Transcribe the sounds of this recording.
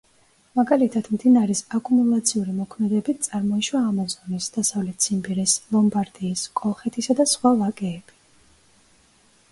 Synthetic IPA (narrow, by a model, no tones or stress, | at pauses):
maɡalit̪ʰad̪md̪inaɾɛsakʼumulˠat̪sʰiuɾimɔkʰmɛd̪ɛbit̪̚ʰt̪sʼaɾmɔiʃwaːmazɔnisd̪̥asavlɛt̪ʰsʰimbiɾɛslɔmbaɾd̪iːskʼɔlˠχɛt̪ʰisad̪asχwalakʼɛːb̥i